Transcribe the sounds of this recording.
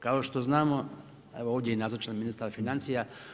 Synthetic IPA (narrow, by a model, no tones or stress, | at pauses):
kaoʃt̪o̞znaːmo | eʋooːʋdʲjeinazot͡ʃanminist̪aɾfinant̪sija